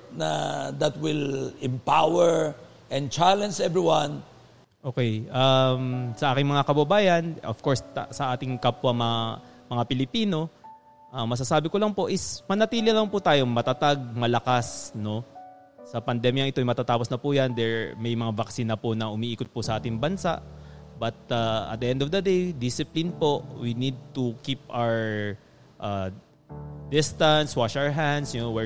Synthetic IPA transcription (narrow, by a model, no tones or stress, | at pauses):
nɐd̪ɐt̪wɪlɛmpawɛɹ | ʔɛ̃n̚t͡ʃalɛ̃nsɛvɹiwãn | ʔo̞ːkɛjʔamsɐʔaːkɪŋmɐŋakɐbɐbaːjɐnofkoɹssɐʔaːt̪ɪŋkapːɐmɐamɐŋapɪlɪpiːno̞ | ʔamːɐs̬asaːbɪkolɐŋpo̞ʔɪsmɐnɐt̪iːlɪlɐŋput̪aːjo̞ŋmɐt̪at̪aɡ̚mɐlɐkasno̞ | sɐpɐnd̪ɛmjɐŋʔɪt̪ojmɐt̪aːt̪aːposnɐpujaɐnd̪ɛɹmɐjmɐŋavɐksinɐponɐʔʊmiʔiːkot̪̚pʊsɐʔaːt̪ɪŋbɐnsa̰ʔbɐt̪̚aɐ̰t̪̚d̪əʔɛnd̪ovd̪ɐd̪ejd̪isɪplɪnpo̞ʔwinid̪̚t̪ukipawɛɹ | ʔa | d̪ɪst̪ɐnswaʃawɛɹɦand̪sjʊnowɛ